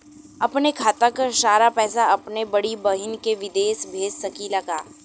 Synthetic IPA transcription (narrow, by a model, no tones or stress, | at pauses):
ɐpnekʰaːt̪ɐkʃaːɾapɛːsaɐpnebɐɽibɐɦɪnkeʋɪd̪eːʃbʱeːd͡ʒsɐkilɐɡaː